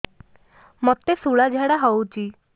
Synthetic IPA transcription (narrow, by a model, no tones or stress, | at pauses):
mɔt̪esuɭad͡ʑʱaɽaɦɔwt͡ɕi